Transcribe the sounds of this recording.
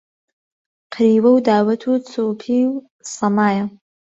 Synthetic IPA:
qʰɾiːwɐwdaːwɐtʰut͡sʰopʰiw | samaːja

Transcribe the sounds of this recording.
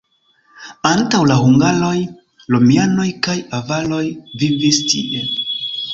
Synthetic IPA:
antawlahuŋɡalo̞j | lomiano̞jkajavalo̞jvivistʰḭʔe

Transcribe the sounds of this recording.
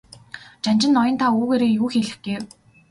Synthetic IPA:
t͡ɕanʲt͡ɕɪ̆nːɔjɞ̆nt̪ʰauːɣeːɾeːjuːxeɮɘ̆xɡ̥ew

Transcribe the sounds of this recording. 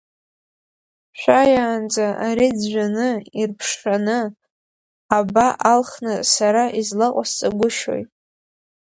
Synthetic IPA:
ʃʷᶣajaːnd͡zaʔaɾid͡zʒʷᶣanɨirpʰʂχanɨ | abaʔalχnɨsaɾaʔizlaqʷʼast͡sʼaɡʷʊʃo̰jtʼ

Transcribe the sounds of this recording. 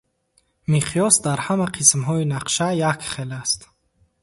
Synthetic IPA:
miqʰijɔsd̪aɾhamaqʰismɦɔinaqʃajakχelast̪

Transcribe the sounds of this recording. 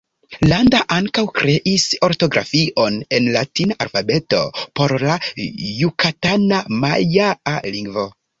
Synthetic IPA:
landaʔaŋkawkɾe̞ʔiso̞ɾto̞ɡɾʔa̰fiʔo̞ne̞nlatinaʔalfabe̞to̞po̞ɾlajukatanamajaaliŋɡvo̞

